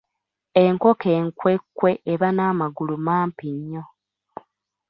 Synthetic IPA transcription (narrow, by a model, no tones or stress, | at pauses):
e̞ŋko̞ke̞ːŋkwe̞kːwe̞ʔːβanaːmaɡulumaːmpiɲːo̞